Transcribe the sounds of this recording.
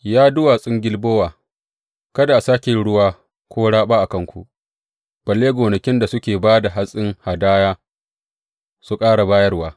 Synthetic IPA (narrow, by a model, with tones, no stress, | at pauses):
jaː˦dʊ˦waː˨sʼɪ˦ŋɡʲɪ˦lboː˦waː˨ | kɐ˦da˨ʔsaː˦kʲɪ˨ɽʊ˦waː˦ | kʷoː˦ɽaː˦ɓaː˦ʔa˨kɐ˦ŋkʷṵ˨ʔ | b̥ɐ˨lːeː˦ɡʷoː˨nɐ˨kʲɪ˦nda˨sʊ˦kʲeː˨baː˦da˨ɦa˦sʼɪ˦ŋha˨daː˦jaː˦ | su˦kʼaː˦ɽa˨baː˦jɐ˦rwaː˦